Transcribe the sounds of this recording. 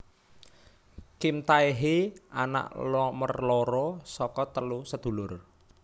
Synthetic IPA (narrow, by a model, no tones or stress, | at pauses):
kimt̪aiɦia̰na̰ʔlɔmərloɾɔsɔkɔt̪əlusəd̪̥ṳlʊr